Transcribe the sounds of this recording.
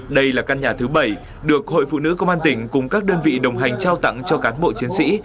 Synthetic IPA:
ɗə˧jlaː˨˩ka˧nɲaː˨˩t̪ʰɨ˨˦ɓə˧˩j | ɗɨ˨˩ək̚ho̰˧˨jfṵ˧˨nɨ̰˧˥kə˧wŋ͡maː˧nt̪ï˧˩ŋ̟kʊ˨˩ŋ͡mkaː˦˥k̚ɗəː˧nvḭ˧˨ɗə˨˩wŋ͡mɦa˨˩jŋ̟t͡ɕaː˧wt̪a̰˧˨ŋt͡ɕɔ˧kaː˨˦nɓo̰˧˨t͡ɕi˨˦ənsḭ˧˥

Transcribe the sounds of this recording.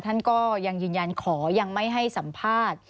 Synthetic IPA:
t̪ʰa˥˩nkɔː˥˩ja˧ŋjɯː˧nja˧nkʰɔː˩˦ja˧ŋma˥˩jɦa˥˩jsa˩˦mpʰaː˥˩t̪̚

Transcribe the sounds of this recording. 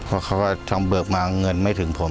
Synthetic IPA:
pʰɔ˦˥˩kʰa˦˥˩waː˥˩t̪ʰa˧mbɯ˨˩ək̚maː˧ŋɤ˧nma˥˩jt̪ʰɯ˩˦ŋpʰo˨˩˦m

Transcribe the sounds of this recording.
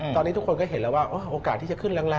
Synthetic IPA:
t̪ɔː˧nːi˦˥t̪u˦˥kʰnkɔː˥˩ɦe˨˦lɛː˦˥waː˥˩ʔoː˦˥˩ʔoː˧kaː˨˩t̪ʰːiː˥˩t͡ɕa˨˩kʰɯ˥˩nɾa˦˥˩ŋla˧

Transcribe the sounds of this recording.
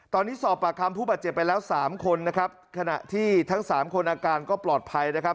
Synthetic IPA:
t̪ɔː˧nːiː˦˥sɔː˨˩p̚ːa˨˩kʰa˧mpʰuː˥˩baː˨˩t͡ɕe˨˩pːa˧jlɛː˦˥wsaː˩˦mkʰo˧nːa˦˥kʰɾa˦˥p̚kʰa˧na̰˨˩ʔt̪ʰiː˥˩t̪ʰa˦˥ŋsaː˩˦mkʰo˧nʔaː˧kaː˧nkɔː˥˩plɔː˨˩t̪̚pʰa˧jna˦˥kʰa˦˥p̚

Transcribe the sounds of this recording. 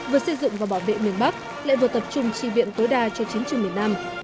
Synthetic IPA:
vɨ˨˩əsə˧jzʊ̰˧˨ŋ͡mvaː˨˩ɓaː˧˩wvḛ˧˨mi˨˩ənɓa˦˥k̚ | la̰ː˧˨jvɨ˨˩t̪ə˨˩p̚t͡ɕʊ˧ŋ͡mt͡ɕḭ˧˨vḭ˧˨ənt̪o˨˦jɗaː˧t͡ɕɔ˧t͡ɕi˨˦əŋt͡ɕɨ˨˩ŋmi˨˩əna˧m

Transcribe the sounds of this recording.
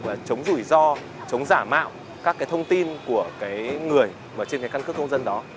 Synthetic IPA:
vaː˨˩t͡ɕə˨˦wŋ͡mzu˧˩jzɔ˧ | t͡ɕə˨˦wŋ͡mzaː˧˩ma̰ː˧˨w | kaː˦˥kːaː˨˦jt̪ʰə˧wŋ͡mt̪i˧nku˧˩əkaː˨˦jŋɨ˨˩əj | məː˨˩t͡ɕe˧nkaː˨˦jka˧nkɨ˦˥kːə˧wŋ͡mzə˧nɗɔ˨˦

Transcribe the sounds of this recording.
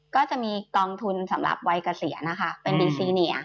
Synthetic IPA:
kɔː˥˩t͡ɕa˨˩ʔmiː˧kɔː˧ŋt̪ʰu˧nsa˩˦mɾa̰˨˩p̚wa˧jka˧si˩˦ɐna˦˥kʰa˦˥pe˧ndiː˧siː˧ni˩˦ɐ

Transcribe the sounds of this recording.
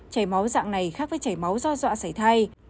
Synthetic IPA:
t͡ɕə˧˩jma˨˦wza̰ː˧˨ŋna˨˩jxaː˦˥k̚vəː˨˦jt͡ɕə˧˩jma˨˦wzɔ˧zwa̰ː˧˨sa˧˩jt̪ʰa˧j

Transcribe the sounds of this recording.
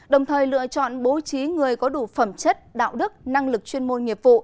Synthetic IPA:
ɗə˨˩wŋ͡mt̪ʰəː˨˩jlɨ̰˧˨ət͡ɕɔ̰˧˨nɓo˨˦t͡ɕi˨˦ŋɨ˨˩əjkɔ˨˦ɗu˧˩fə˧˩mt͡ɕə˦˥t̚ɗa̰ː˧˨wɗɨ˦˥k̚na˧ŋlɨ˨˩k̚t͡ɕwi˧ənmo˧nŋi˨˩əp̚vṵ˧˨

